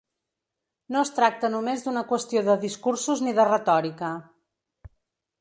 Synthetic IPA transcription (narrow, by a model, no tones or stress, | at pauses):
noəst̪ɾak̚t̪ənumezd̪unəkwəst̪ioðəðiskursuzniðərət̪ɔɾikə